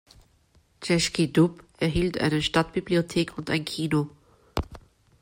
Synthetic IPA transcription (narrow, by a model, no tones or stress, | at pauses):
t͡ʃɛʃkidupʔɛɐɦiːltʔa̰ɪnəʃtat̚b̥ibliotʰeːkʰʊntʔa̰ɪnkʰiːno